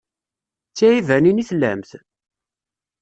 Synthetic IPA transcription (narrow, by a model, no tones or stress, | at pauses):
t͡sːæjivæniniθlːæ̰mθ